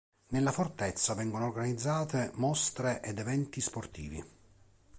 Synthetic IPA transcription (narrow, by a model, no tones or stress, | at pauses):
nelːafort̪ɛt̪sːavɛŋɡonoːrɡanid̪zːaːt̪emɔst̪ɾeʔɛd̪ɛvɛnt̪isport̪ḭːvḭ